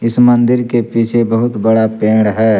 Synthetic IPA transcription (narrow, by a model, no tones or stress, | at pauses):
ɪsmə̃nd̪ɪɾkepiːt͡ʃʰebəɦʊt̪bɐɽapeːɽɦɛː